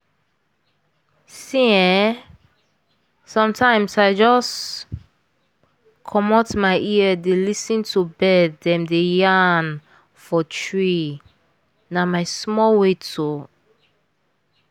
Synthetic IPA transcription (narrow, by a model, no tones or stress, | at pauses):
siɛ | sɔ̃mtʰãɪ̃msaɪd͡ʒɔs | kʰɔmɔtmaɪʔiədelisĩntʰubɛdɛ̃mdejan | fɔtʰɹi | namaɪsmɔlwetʰo